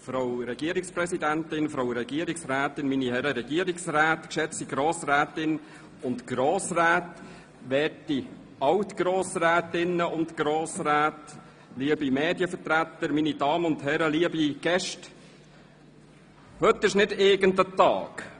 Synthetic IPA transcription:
fɾawɾɛɡ̥iəɾɪkspɾɛsidæntɪnfɾaʊɾɛɡ̥iəɾɪksɾæːtɪnminihɛɾəɾɛɡiəɾɪksɾæːtkʃɛt͡siɡ̥ɾoːsɾɛːtɪn | ʊntɡ̥ɾoːsræːt | ʋɛːtːi | ɑwt̪ɡ̥ɾoːsræːtɪnːəʊntɡ̥ɾoːsɾæːt | liəbimɛːdjəfətɾæt̪əɾminidɑːməʊnthɛɾəliəbiɡ̥ɛʃt | hɵtːɪʃnɪdɪɡəntət̪ɑ̰ːk

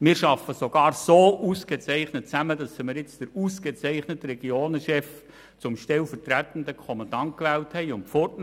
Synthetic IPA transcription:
mɪːɾʃɑfəsoɡ̥ɑːɾsoːʔusɡ̥et͡sɛɪχnətt͡sæmədɑsəməɾjɪt͡stəɾusɡ̥et͡sɛɪχnətəɾɛɡ̥ioːnəʃɛf | t͡sʊmʃtɛlfəɾtɾæt̪əndəkʰɔmɑndɑnt̚kʋɛːlthɛɪʊntfɔtn

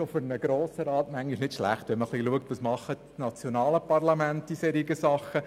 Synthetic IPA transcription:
sofyɾnəɡ̥ɾoːsəɾɑːtmæŋliʃnɪtʃlæ̰χtʋɛnməχliluək̚tʋɑsmɑχə | nɑt͡sjonɑːləpɑrlɑmæntd̥isɛɾiɡəsɑχə

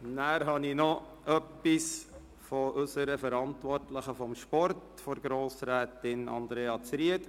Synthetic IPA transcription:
næːɾɦɑninɔ | ʔœpːis | fɔʔʏsəɾəfəɾɑntʋɔrtləχəfɔmʃpɔɾt | foɾɡɾoːsɾæːtɪnɑ̰nd̪ɾeːɑt͡sɾiət

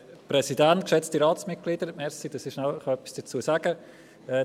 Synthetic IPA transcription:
pɾɛsidɛnt̚kʃɛt͡stiɾaːt͡smɪt̚ɡ̥lid̥əɾmɛɾsid̥ɑsɪʃnaʊχoœpi̥sd̥ət͡suəsaɡ̥ə | ɛ

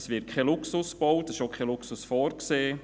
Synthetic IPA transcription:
sʋɪɾt̚kʰχɛlʊksʊsb̥ɔwtɪʃokχɛlʊksusfoːɾkseː

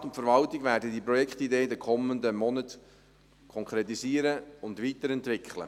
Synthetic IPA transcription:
tʊntfəɾvɑltɪɡvæːdədiːpɾɔjɛkχtideːdɛkʰɔmːəndəmɔnət | kʰɔŋkʰɾetisiːəɾəʊndviːtəɾɛntvɪkχlə̰

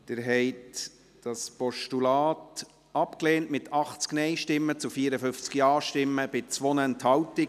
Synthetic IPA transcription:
d̥ɪɾɦɛɪt | d̥ɑspɔʃtulɑːt | ɑpkleːntmɪtʰɑχt͡sknɛɪʃtɪmːət͡sufiːəɾəfʏft͡skjɑːʃtɪmːəb̥ɪt͡sʋonəɛnthɑwtɪ

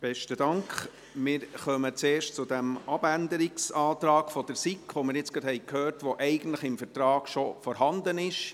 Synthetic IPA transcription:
b̥ɛʃtədɑŋkχ | mɪːɾχœmət͡seːʃtt͡sʊdɛmɑbændəɾiksɑːt̪ɾɑːɡ̥fɔd̥̪əɾsikʋomɪːɾjɪt͡sɡ̥ɾɑtd̪hɛɪkhøːɾtʋoʔɛɪɡən̩t̪ləχɪmfəɾtɾɑːɡ̥ʃɔfɔɾɦɑnd̪ənɪʃ

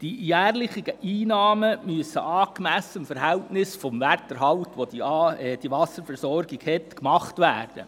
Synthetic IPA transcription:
d̥ijæːrlɪχiɡəʔiːnɑːməmyəsːə̰ʔɑːkmæsəɪmfəɾɦæltnɪsfɔmvætəɾɦɑltʋod̥iɑɛd̥iʋɑsəɾfɛɾsɔrɡiɡhɛtkmɑχtʋæːrd̥ə̰

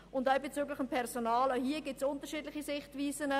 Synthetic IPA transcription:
ʊndabet͡syːɡlɪχəmpʰɛʁzonaːlaʊhiːəɡ̥ɪtsʊntəʁʃiːdlɪχisɪχtviːsənə

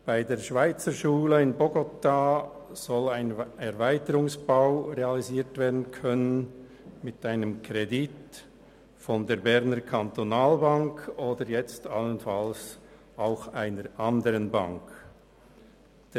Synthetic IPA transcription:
b̥aɪdeːɐʃv̥aɪt͡səɾʃuːləɪnboɡotaz̥ɔlaɪnɛʁvaɪtəʁʊŋsb̥aʊʁealiziːɾtv̥eːɐʁdn̩kʰœnən | mɪtaɪnəmkʁedit | fɔndeːɾbɛʁnəɾkʰantonaːlbaŋkoːdəjɛt͡stalənfals | ʔaʊxaɪnəɾʔandəʁənba̰ŋk | d̥

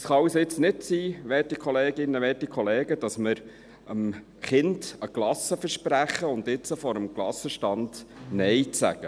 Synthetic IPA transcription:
sχɑwsɪt͡snɪtsiːʋɛːtikχɔleːɡɪnːəʋɛːtikʰχɔleːɡəd̥ɑsməɾ | əm | χɪnd̥əklɑsəfəɾʃpɾæχːəʊnd̥̪ɪt͡səfɔɾəmklɑ̰səʃtɑnd̥nɛjsæ̰ɡ̥ə

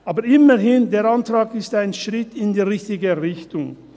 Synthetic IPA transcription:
ʔaːbəɾʔɪməɦɪndeːʁantʁ̥aːkɪstaɪnʃʁɪtʰɪndiːʁɪçtɪɡəʁɪçtʊŋ

